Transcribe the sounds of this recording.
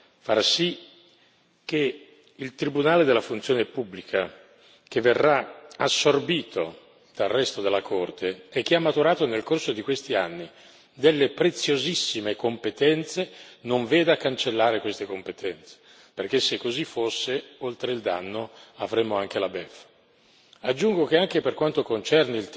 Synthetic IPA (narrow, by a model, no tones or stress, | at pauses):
faɾsi | k̟ːe | ilt̪ɾibunaːled̪elːafunt̪sjoːnepubːlikʰa | keverːaasːorbiːt̪o̰ | d̪̥alrɛst̪od̪elːakʰort̪eːk̟ːeamːat̪uɾaːt̪onelkorsod̪ikwest̪ianːi | d̪elːepɾet̪sjozisːimekompet̪ɛnt̪senoɱveːd̪akːant͡ʃelːaːɾekwest̪ekompet̪ʰɛnt̪se̥ | perk̟esːekːozifosːeolt̪ɾeild̪a̰nːoavɾemːoaŋkelabɛf | ad͡ʒːuŋɡokeaŋkeperkwant̪okont͡ʃɛrniilt̪